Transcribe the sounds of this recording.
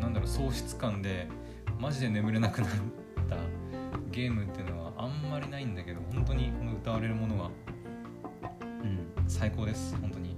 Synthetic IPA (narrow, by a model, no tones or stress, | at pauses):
nãnd̪aɾo̞so̞ːɕi̥t͡sɨ̥kãnd̪e̞ | maʑid̪e̞ne̞mɯ̟ɾe̞nakɯ̟nat̪ː | aɡʲe̞ːmɯ̟t̪ːe̞ɯ̟no̞βaʔãmːaɾʲinaĩnd̪ake̞d̪o̞hõ̞nt̪o̞ɲ̟iko̞noɯ̟t̪aβ̞aɾe̞ɾɯ̟mo̞no̞ɡa | ɯ̟̃ɴsaiko̞ːd̪e̞sɨ̥hõ̞nt̪o̞ɲ̟i